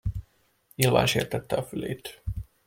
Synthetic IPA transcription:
ɲilva̰ːnʃeːrt̪ɛt̪ːɛɒfylḛːt̪

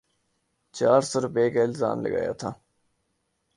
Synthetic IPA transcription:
t͡ʃaːɾsoːɾʊpeːkaɪlza̰ːmlə̰ɡa̰ːja̰t̪ʰaː

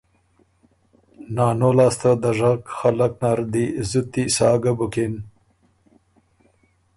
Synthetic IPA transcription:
naːnolaːst̪ad̪aʐakxalak̚naɾd̪izut̪ːisɑːɡəbuken

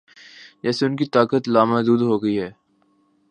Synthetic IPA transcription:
d͡ʒɛːseʊnkit̪aːkət̪laːmad̪uːd̪ɦoːɡəiɦɛː

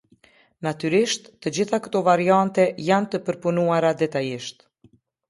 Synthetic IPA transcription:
nat̪yɾiʃt̪ːəd͡ʑiθakə̥t̪ɔvaɾiant̪ɛjant̪əpəɾpunuaɾad̪ɛt̪ajiʃt̪

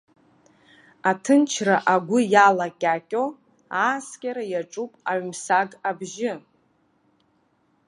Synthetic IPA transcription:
atʰɨnt͡ʃʰraʔaɡʷʊjalakʲʼakʲʼo | aːskʲʼaɾajaʈ͡ʂʼupʼaɥmsaɡabʒɪ

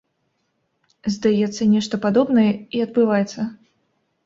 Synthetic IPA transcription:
zd̪ajɛt̪sːɐnʲɛʂt̪ɐpad̪ɔbnɐjɛiɐd̪̚bɨvajɛt̪sːɐ

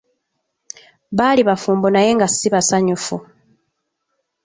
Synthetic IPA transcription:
βaːliβafuːmbonaje̞ːŋɡasːiβasaɲufu

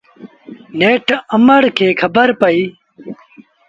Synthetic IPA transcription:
neːʈɐməɽkʰeːkʰɐbəɾpɐi

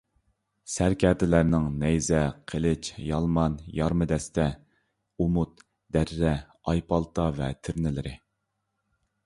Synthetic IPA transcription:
sæɾkʲʰɛɾd̪ɪlæɾnɪŋnɛjzɛqʰəlɪt͡ʃjɑlˠmɑnjɑɾmɨd̪ɛst̪ɛ | umʊt̪ | d̪̥æɾːɛ | ɑjpɑlˠt̪ʰɑvɛt̪ʰɪɾnɪlɪɾɪ

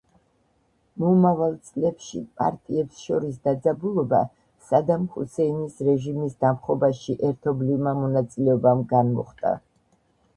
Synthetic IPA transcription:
mɔmavalˠt̪sʼlɛpʃḭpʼa̰ɾt̪ʼiɛpsʃɔɾisd̪ad̪zabulˠɔba̰ | sad̪amhṵsɛinisɾɛʒimisd̪amχɔbaʃiʔɛɾt̪ʰɔblivmamɔnat̪sʼilɛɔbamɡanmɔχt̪ʼa̰

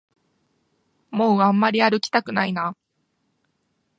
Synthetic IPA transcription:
moːãmːaɾʲiaɾɯ̟kʲi̥t̪akɯ̟naina

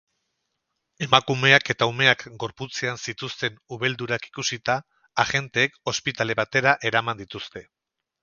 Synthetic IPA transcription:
e̞makume̞ake̞t̪aume̞akɡo̞ɾput͡seansit̪ust̪e̞nuβe̞ld̪uɾaki̥kusit̪aː | ɣe̞nt̪e̞ːko̞spit̪ale̞βat̪e̞ɾaʔe̞ɾamand̪it̪ust̪e̞

